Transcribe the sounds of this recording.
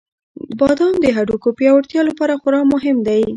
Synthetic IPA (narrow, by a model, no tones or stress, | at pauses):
bɑd̪ɑmd̪əɦaɖukopjɑwaɽt̪jɑlapɑɾaxʊɾɑmʊɦɪmd̪aj